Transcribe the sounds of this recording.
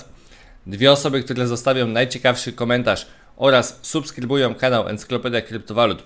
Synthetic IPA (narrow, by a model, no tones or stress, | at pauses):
d̪vʲjɛɔsɔbɘk̚t̪uɾɛzɔst̪avʲjɔ̃w̃najt͡ɕɛkafʂɘkɔmɛnt̪aʂ | ʔɔɾasːupskɾɘbujɔ̃w̃kanawʔɛ̰nt̪sɨ̥klɔpɛd̪jakɾɘpt̪ɔvalut̪